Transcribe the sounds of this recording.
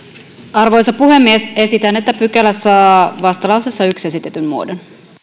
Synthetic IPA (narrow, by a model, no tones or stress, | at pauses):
ɑrʋo̞jsɑpuhe̞mːiese̞sit̪ænːet̪ːæpykælæsːɑːʋɑst̪ɑlɑwsesːɑykse̞sit̪e̞t̪ymmuo̰don